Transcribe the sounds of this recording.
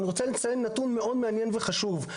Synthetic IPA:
niʁot͡selit͡sajenːat̪unmeʔo̞d̪meanjenveχaʃuv

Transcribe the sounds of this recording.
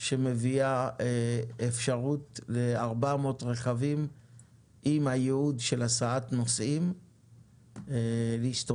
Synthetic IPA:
ʃeme̞viaeefʃaʁutleaʁbamotʁe̞χavim | ʔimhajeudʃe̞lasaatnosʔim | liʃt

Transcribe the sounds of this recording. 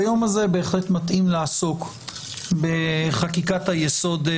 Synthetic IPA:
jo̞maze̞be̞ːχle̞t̪mat̪ʔimlaaso̞k | be̞χakikathajeso̞d̪

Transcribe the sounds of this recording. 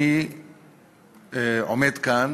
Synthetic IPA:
i | omet̪kan

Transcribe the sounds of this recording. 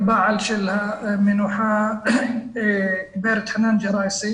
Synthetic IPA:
baʕalʃɪlhamɪnwħa | beɾt̪ħanand͡ʒɑɾˤɑːjsi

